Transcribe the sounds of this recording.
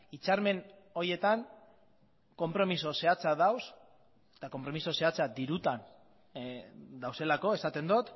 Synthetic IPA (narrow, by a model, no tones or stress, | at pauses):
it͡saɾme̞n | o̞ɾie̞t̪aŋ | ko̞mpɾo̞miso̞se̞at͡saðaws | e̥t̪ako̞mpɾo̞miso̞se̞at͡sad̪iɾut̪an | d̪awse̞lako̞e̞sat̪e̞nd̪ot̪